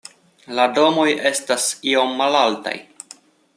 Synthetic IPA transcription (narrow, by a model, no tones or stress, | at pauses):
lado̞mo̞je̞stasio̞mːalalta̰j